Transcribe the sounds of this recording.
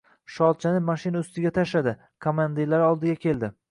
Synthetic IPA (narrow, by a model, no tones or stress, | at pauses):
ʃɒlˠt͡ʃʰanɪmaʃɪnaʊst̪ɪɡʲat̪ʰaʃad̪ɪ | kʰomand̪iɾlaɾɒlˠd̪ɪɡʲakʲʰe̞ld̪ɪ